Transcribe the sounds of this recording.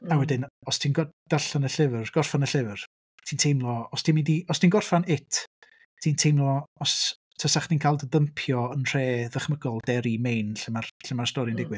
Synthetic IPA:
awɛdɪnɔstʰinɡɔd̥aɬanəɬɪvrɡ̥ɔrfanəɬɪvər | tʰiːntʰejmlˠɔɔstʰinmɪndiɔstʰiːnɡɔrfanɪtʰ | tʰintʰejmlˠɔɔs | tʰəsaχdinkʰalˠdəðəmpʰjɔənr̥eːðəχməɡɔlˠdɛɾimejnɬɪmarɬɪmarstɔɾindɪɡwɨ

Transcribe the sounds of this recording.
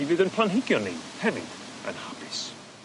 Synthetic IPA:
ivɨðənpʰlˠanɦɪɡjɔnːḛjd̥hɛvɪ̰d̥ | ə̰nhapʰɪs

